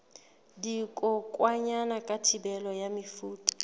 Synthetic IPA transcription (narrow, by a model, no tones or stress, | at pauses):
dikʼɔkʼwaɲanakʼatʰibɛlɔjamifuːtʼḁ